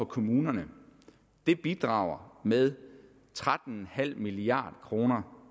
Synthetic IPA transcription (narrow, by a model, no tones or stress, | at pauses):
ɒ̽kʰo̝muːnɐnə | d̥e̝b̥id̥ʁɑ̰̈ʊ̰ɐmeðˠ | t͡sʰʁad̥n̩n̩hæl̰miliɑ̰̈ːd̥kʰʁo̝ːnɐ